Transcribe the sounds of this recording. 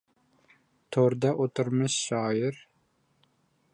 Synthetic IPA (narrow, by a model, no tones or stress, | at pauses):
t̪ʰoɾd̪ɑʔot̪uɾmɨʃʃɑːjɪɾ